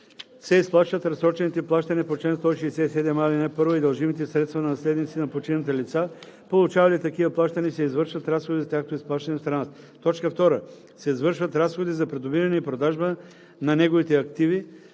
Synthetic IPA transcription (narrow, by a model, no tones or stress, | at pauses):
sɛisplˠaʃvɐt̪ɾɐsɾɔt͡ʃɛnit̪ɛplˠaʃt̪ɐnipot͡ʃɛnst̪ɔiʃɛɛsɛsɛd̪ɛmalinɛpɤɾvoid̪ɐlˠʒimit̪ɛsɾɛt̪st̪vɐnɐnɐslɛd̪nit̪sinɐpot͡ʃinət̪əlit̪sa | polˠʊt͡ʃavɐlit̪ɐkivəplˠaʃt̪ɐnʲɛsɛizvəɾʃvɐt̪ɾasxod̪izɐt̪ʲjaxkot̪oʊisplˠaʃt̪ɐnɛst̪ɾɐana | t̪ɔt͡ʃkəft̪ɔɾə | sɛizvɤɾʃvɐt̪ɾasxod̪izɐpɾɛd̪obiɾɐnɛipɾod̪aʒbə | nɐnɛɡovit̪ɛɐkt̪ivi